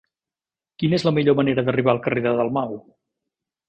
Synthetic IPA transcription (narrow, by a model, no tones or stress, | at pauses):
kinezləmiʎoməneɾəðəriβaəlˠkəreðəðəlˠmaw